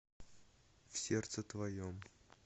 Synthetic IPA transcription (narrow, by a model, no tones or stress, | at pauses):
fsʲe̞rt̪sɨt̪vɐjom